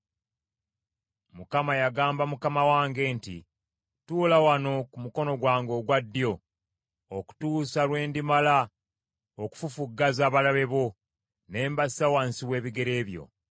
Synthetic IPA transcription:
mukamajaɡaːmbamukamawaːŋɡe̞ːntḭ | tuːlawano̞kumuko̞no̞ɡwaːŋɡo̞ɡwadːjo̞ | oku̥tuːsalwe̞ːndimala | oku̥fufuɡːazaːβalaβe̞βo̞ | ne̞ːmbasawansiwe̞ːβiɡe̞ɾe̞ːβjo̞̰

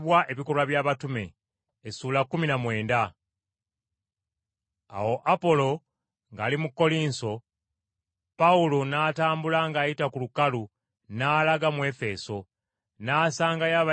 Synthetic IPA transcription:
βwaʔe̞βiko̞lwaβjaːβatume̞ː | suːlakːuminamwe̞ːnda | a̰wo̞ʔapo̞lo̞ | ŋɡa̰ːlimukːo̞liːnso̞ | paulo̞naːtaːmbulaŋɡaːjitakulukalu | naːlaɡamwe̞fe̞so̞ | naːsaːŋɡajaβa

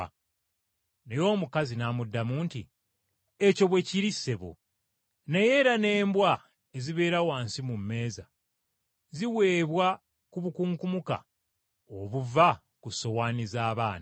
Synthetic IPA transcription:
nejo̞ːmukazinaːmudːamuːnti | eco̞βwe̞ciɾisːe̞βo̰ | neje̞ːɾane̞ːmbwa | eziβe̞ːɾawaːnsimumːe̞ːza | ziwe̞ːβwa | kuβukuːŋkumuka̰ | oβuva | kuso̞waːnizaːβaːna

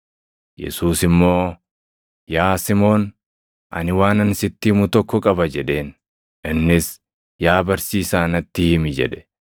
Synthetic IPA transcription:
jɛ̰suːsɪmːo̞ː | jaːsɪmo̞ːn | ʔɐ̰nɪwaːnɐnsɪt̪ːɪmʊt̪ɔkːɔkʼɐbɐd͡ʒɛᶑe̞ːn | ʔɪnːɪs | jaːbɐɾsiːsaːnɐt̪ːɪhɪmɪd͡ʒɛ̰ᶑɛ̥

